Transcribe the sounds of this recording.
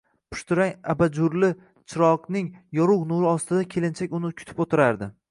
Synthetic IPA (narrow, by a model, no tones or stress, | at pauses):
pʰʊ̥ʃt̪ɪɾaŋabad͡ʒʊɾlɪ | t͡ʃʰɪɾɒqnɪŋjɒɾʊqnuɾɪɒst̪ɪd̪akʲʰe̞lɪnt͡ʃʰakʲʊnɪkʲʰʊ̥t̪ʰɪ̥pot̪ʰɪɾaɾd̪ɪ